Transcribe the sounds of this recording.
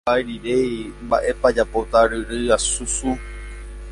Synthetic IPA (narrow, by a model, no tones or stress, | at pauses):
aeɾiɾejmba̰ʔe̞pad͡ʒapot̪aɾɨɾɨasusu